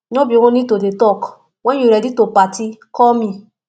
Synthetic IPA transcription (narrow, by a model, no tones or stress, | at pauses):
ɲõbiwõnĩtodetɔk | wɛ̃uɾɛditopatikɔmĩ